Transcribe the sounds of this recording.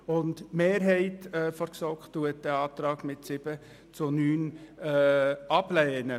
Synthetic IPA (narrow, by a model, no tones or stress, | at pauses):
ʊndmeːɾɦɛɪtɛfɔɾksɔktːuət̚dɛɑːtɾɑːɡmɪtsɪb̥ə | t͡sʊnyːn | ɑblɛːnə